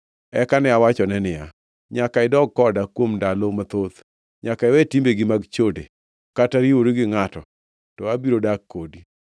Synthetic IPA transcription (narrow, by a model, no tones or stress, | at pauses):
ɛkanɛawat͡ʃɔnɛnɪja | ɲakaɪdɔɡ̚kːɔdakwomndalomat̪ot̪ | ɲakaɪwɛtimbeɡɪmaɡt͡ʃode | kataɾiwoɾiɡɪŋatɔ | tɔabiɾodak̚kːodi